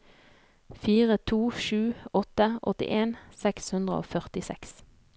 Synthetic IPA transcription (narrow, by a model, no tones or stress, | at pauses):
fiːʁət̪ʰuːʃʉːɔt̪əʔɔ̰t̪ɪ̰ʔeːnsɛkshʉnd̪ʁə̰o̰ːfœʁt̪ɪsɛ̰ks